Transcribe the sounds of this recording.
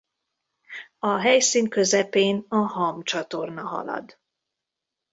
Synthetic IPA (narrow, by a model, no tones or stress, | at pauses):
ɒɦɛjsiːnkø̞zɛpeːnɒɦɒmt͡ʃɒt̪o̞rnɒɦɒ̰lɒ̰d̪